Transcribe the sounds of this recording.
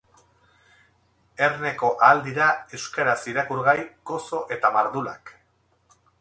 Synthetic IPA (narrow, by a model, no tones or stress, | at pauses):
e̞rne̞ko̞ʔaːld̪iɾaewskaɾasiɾakuɾɣajko̞so̞ʔe̞t̪amaɾðula̰k